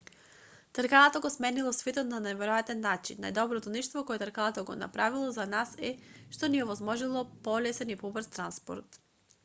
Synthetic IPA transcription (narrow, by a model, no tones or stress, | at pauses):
t̪əɾkalat̪oɡosmɛnilˠɔsvɛt̪ot̪nanajvɛɾojat̪ɛnːat͡ʃḭnːa̰jd̪ɔbɾot̪onɛʃt̪vokɔɛt̪əɾkalat̪oɡo̰na̰pɾavilˠozanasɛʃt̪ɔniɔvɔzmɔʒilˠopɔlɛsɛnipɔbəɾst̪ɾanspo̰ɾt̪